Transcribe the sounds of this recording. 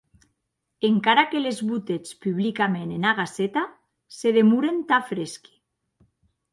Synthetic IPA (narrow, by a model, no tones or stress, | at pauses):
eŋkaɾakelezβut̪et͡spyβlikamenenaɣ̞aset̪a | seðemuɾent̪afɾeski̥